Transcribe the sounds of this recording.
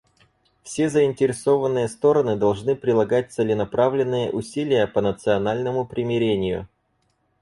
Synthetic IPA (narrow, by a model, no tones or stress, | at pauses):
fsʲe̞zəɪnʲtʲɪɾʲɪso̞vənːɨjəst̪o̞ɾənɨd̪ɐlˠʐnɨpɾʲɪlˠɐɡat̚ʲt̪sɨlʲɪnɐpɾavlʲɪnːɨjə̰ʔʊsʲilʲɪjəpənət̪sɨɐnalʲnəmʊpɾʲɪmʲɪɾʲenʲɪjʊ̰